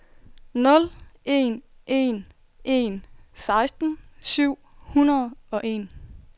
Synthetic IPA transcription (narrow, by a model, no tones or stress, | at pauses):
nɔ̽le̝̰nʔe̝̰n | ʔe̝nsɑ̈ɪsd̥n̩syʊ̰hunɐð̩ˠɒ̽ʔe̝n